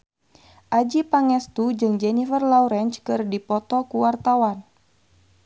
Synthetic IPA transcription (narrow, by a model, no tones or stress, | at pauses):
ʔad͡ʒipaŋɛst̪ud͡ʒɨŋd͡ʒɛnifərlauɾɛnt͡ʃkɨrdipɔt̪ɔkuwart̪awan